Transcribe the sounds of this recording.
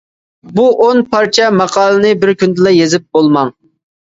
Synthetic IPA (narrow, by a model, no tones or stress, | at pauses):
buʔonpʰɑɾt͡ʃʰɛmɑqʰɑːlˠɨnɨbɪɾkʲynd̪ɪlˠɛjezɪp̚bolˠmɑŋ